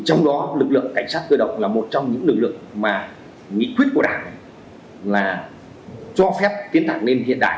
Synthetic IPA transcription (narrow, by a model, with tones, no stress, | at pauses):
t͡ɕɔ˧wŋ͡mɗɔ˨˦lɨ˨˩k̚lɨ̰˧˨əŋka˧˩jŋ̟saː˦˥t̚kəː˧ɗə̰˧˨wŋ͡mlaː˨˩mo˨˩t̚t͡ɕɔ˧wŋ͡mɲɨ̰˧˥ŋːlɨ˧˩k̚lɨ̰˧˨əŋ̚maː˨˩ | ŋḭ˧˨kwi˦˥ət̚ku˧˩ə˩ɗa̰ː˧˩ŋ | laː˨˩ | t͡ɕɔ˧fɛ˦˥p̚t̪i˨˦nt̪a̰ː˧˩ŋne˧nɦḭ˧˨ənɗa̰ː˧˨